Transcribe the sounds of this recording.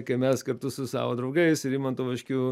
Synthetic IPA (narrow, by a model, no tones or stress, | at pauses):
kɐɪmʲɛskɐɾt̪ʊsʊsɑ̰ːʋoːd̪ɾɐʊɡɐɪsɪɾiːmɐnt̪uːʋɐʃʲkʲuː